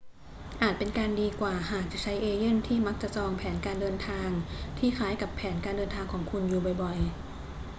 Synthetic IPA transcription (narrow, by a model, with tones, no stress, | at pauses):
ʔaː˨˩t̪̚pe˧nkaː˧ndiː˧kwaː˨˩ɦaː˨˩k̚t͡ɕa˨˩t͡ɕʰa˦˥jʔeː˧je˥˩nt̪ʰiː˥˩ma˦˥k̚t͡ɕa˨˩sɔː˧ŋpʰɛː˩˦nkaː˧ndɤː˧nt̪ʰaː˧ŋt̪ʰiː˥˩xʰaː˦˥jka˨˩pʰːɛː˩˦nkaː˧ndɤː˧nt̪ʰaː˧ŋkʰɔː˩˦ŋkʰu˧njuː˨˩bɔ˨˩jbɔ˨˩j